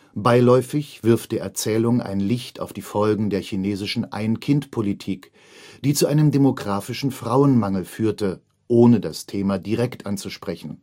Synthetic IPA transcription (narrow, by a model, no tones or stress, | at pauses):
baɪlɔʏfɪçv̥ɪɐftd̥eːɐʔɛɐt͡sɛːlʊŋa̰ɪnlɪçta̰ʊfd̥iːfɔlɡŋ̩deːɐçineːzɪʃn̩ʔa̰ɪnkʰɪntpʰolitʰiːk | d̥iːt͡suʔaɪnəmdemoɡʁaːfɪʃn̩fʁ̥aʊənmaŋl̩fyːɐtə | ʔoːnədastʰeːmadiʁɛktʔant͡suʃpʁ̥ɛçn̩